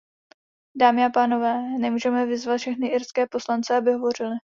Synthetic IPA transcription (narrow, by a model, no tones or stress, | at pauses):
daːmɪapaːno̞vɛːnɛmuːʒɛmɛvɪzvat̪fʃɛxnɪʔɪɾskɛːpo̞slant͡sɛabɪɦo̞vo̞rɪlɪ